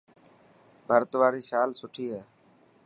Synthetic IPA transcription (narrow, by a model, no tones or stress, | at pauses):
bʱəɾt̪ʋaːɾiːsaːlsʊʈʰiːɦɛː